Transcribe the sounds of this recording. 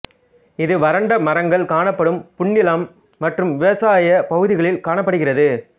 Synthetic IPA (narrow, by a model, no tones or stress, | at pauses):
ɪðɯʋɐɾɐɳɖɐmɐɾɐŋɡɐɭkaːɳɐpːɐɽɯmpʊɳːɪlɐmː | ɐʈrɯmʋɪʋɐsaːjɐpɐɣɯðɪɣɐɭɪlkaːɳɐpːɐɽɯɣɪrɐðɯ